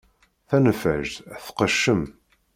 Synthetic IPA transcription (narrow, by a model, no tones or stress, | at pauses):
θænfæ̰ʒθqəʃːəm